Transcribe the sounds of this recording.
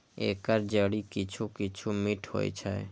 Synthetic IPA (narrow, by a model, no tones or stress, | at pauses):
ḛkəɾd͡ʒəɽikit͡ʃʰukɪt͡ʃʰumiʈho̰jt͡ʃʰɛ